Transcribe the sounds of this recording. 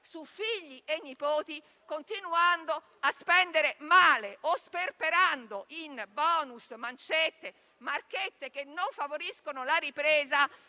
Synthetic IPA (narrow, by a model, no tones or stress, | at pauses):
sufiʎːiʔenːipoːt̪i | kont̪inuand̪o | aspɛnd̪eɾemaːleʔosperpeɾand̪oʔinbɔːnusmant͡ʃet̪ːe | market̪ːek̟enːoɱfavoɾiskonolaɾipɾɛːza